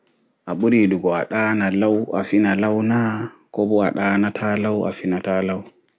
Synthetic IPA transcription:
ʔaɓuɾiduɡɔa̰ɗaːnalawʔa̰finalawnakɔbɔaɗaːnatʰalawʔa̰finataːlaw

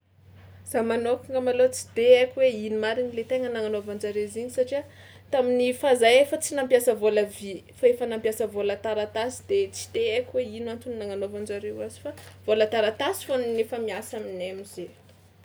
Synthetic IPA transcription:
z̥amanokiŋəmalot͡si̥d̪̥eakʲiweinimaɾinilet̪eŋənaŋanovand͡ʒaɾeziɲisaʈ͡ʂia | t̪aminifazajefət͡sinampjasəvoləvifaefənampjasəvolat̪aɾat̪asi̥d̪et͡si̥d̪̥eakʲweinwant̪uniːaŋanovand͡ʒaɾewazi̥fav̥olat̪aɾat̪asi̥foninefəmiasaminemiz̥e

